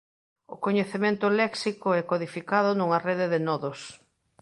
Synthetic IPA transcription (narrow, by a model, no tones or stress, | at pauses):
ʊ̰koɲeθemẽnt̪ʊlɛksikʊɛkoðifikaðʊnuŋɐreðɪðɪnɔðʊs